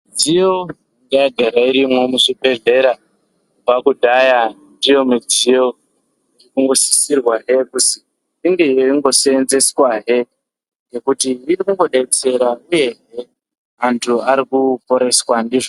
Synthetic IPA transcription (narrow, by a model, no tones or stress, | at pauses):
d͡zijo̞ | ndiaɡʱeɾaiɾimwo̞musibʱe̞ɮe̞ɾa | kubakudʱajandijo̞mud͡zijo̞ | irikuŋɡo̞si̥sirwaɦe̞kusi | iŋɡeijoiŋɡo̞seːnze̞swaɦe̞ | ɡekutiːrikuŋɡo̞ɗeit͡se̞ɾauje̞ɦe̞ | mantʰuaɾikupo̞ɾe̞swandiʐo